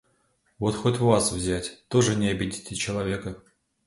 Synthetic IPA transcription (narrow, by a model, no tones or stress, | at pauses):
vo̞t̪xo̞tʲʊvasvzʲætʲt̪o̞ʐɨnʲɪɐbʲɪdʲitʲɪt͡ɕɪlˠɐvʲe̞kə